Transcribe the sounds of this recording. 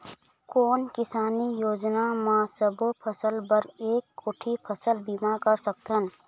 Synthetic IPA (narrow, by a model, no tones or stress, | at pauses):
koːnkɪsaːnijoːd͡ʒnamãsəbʱopʰəsəlbəɾeːkːoːʈʰipʰəsəlbimakəɾsək̚t̪ən